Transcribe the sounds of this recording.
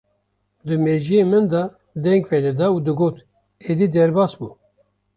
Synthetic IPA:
d̪ɨmeʒijemɨnd̪ɑ | d̪ɛŋɡvɛd̪ɛd̪ɑuːd̪ɨɡoːt̪ | ed̪id̪ɛɾbɑːsbṵː

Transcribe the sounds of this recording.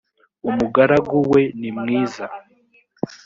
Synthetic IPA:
umuɡaɾaɡuwe̞nimŋiːza

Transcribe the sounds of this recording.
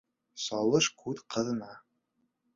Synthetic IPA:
sɒlˠɤʃkʰʉt̪qɤ̆ðɤ̆nɑ

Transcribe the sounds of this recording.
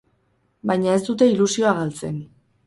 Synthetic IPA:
bajɲae̞st̪ut̪e̞ilusio̞aɣalt͡se̞n

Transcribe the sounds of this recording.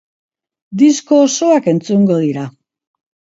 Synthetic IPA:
d̪isko̞ːso̞ake̞nt͡suŋɡo̞ð̞iɾa

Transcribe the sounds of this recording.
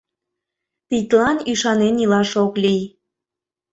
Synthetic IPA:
t̪it̪ʲlɑnyʃɑnenilɑʃoklij

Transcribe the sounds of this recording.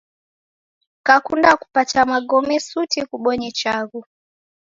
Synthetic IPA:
kakundaku̥patamaɡɔmɛsutikuɓɔɲit͡ʃaɣu

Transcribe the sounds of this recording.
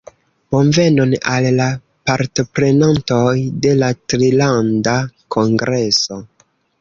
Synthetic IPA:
ponve̞nonalːa | paɾto̞pɾe̞nanto̞jde̞latɾilandakʰo̞ŋɡɾe̞so̞

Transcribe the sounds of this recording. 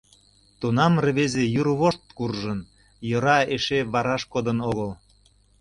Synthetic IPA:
t̪unɑmrə̆βezejuɾβoʃt̪̚kurʒən | jɤɾɑeʃeβɑɾɑʃkod̪ənoɣəl

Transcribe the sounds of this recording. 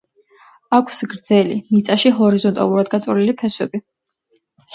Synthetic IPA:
akʰsɡɾd̪zɛlḭmit̪sʼaʃiɦɔɾizɔnt̪ʼa̰lˠuɾad̪ɡat̪sʼɔlilipʰɛswɛbi

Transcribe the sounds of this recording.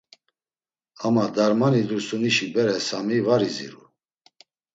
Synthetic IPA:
amad̪aɾmanilusuniʃibɛɾɛsamivaɾizḭɾṵ

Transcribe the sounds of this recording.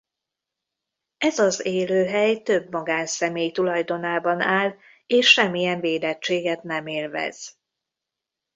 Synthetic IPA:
ɛzɒzeːløːɦɛjt̪ø̞bmɒɡaːnsɛmeːjt̪ulɒjd̪o̞naːbɒnaːl | eːʃːɛmːijɛɱveːd̪ɛt͡ʃːeːɡɛt̪nɛmeːlvɛ̰z̥

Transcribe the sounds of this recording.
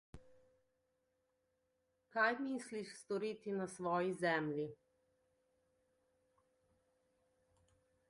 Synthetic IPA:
kajmiːsliʃst̪ɔɾiːt̪inasʋɔːjizɛmlʲi

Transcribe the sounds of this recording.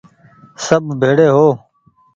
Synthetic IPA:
səbʱbʱeːɽeːɦoː

